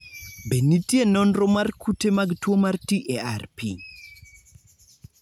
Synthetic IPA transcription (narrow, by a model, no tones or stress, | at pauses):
benitjenɔnɾɔmarkʰutemaɡtwomartiʔearpḭ